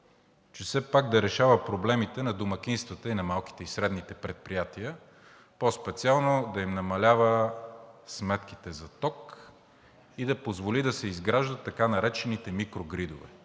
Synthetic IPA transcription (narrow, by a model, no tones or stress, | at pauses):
t͡ʃɛsɛpaɡ̚d̪ɐɾɛʃavəpɾoblɛmit̪ɛnɐd̪omɐk̟ʲinst̪vət̪əinɐmalˠki̥t̪ɛisɾɛd̪nit̪ɛpɾɛt̪̚pɾijat̪iə | pɔspɛt̪sialˠnod̪ɐimnɐmɐlʲavə | smɛt̪k̟it̪ɛzɐt̪ɔk | id̪ɐpozvolid̪ɐsɛizɡɾaʒd̪ət̪ːɐkanɐɾɛt͡ʃɛnit̪ɛmikɾoɡɾid̪ovɛ̰